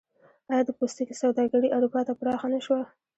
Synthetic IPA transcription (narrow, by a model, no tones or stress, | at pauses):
ɑjɑd̪əpost̪ikisawd̪ɑɡaɽiʔaɽupɑt̪apɾɑxanaʃwa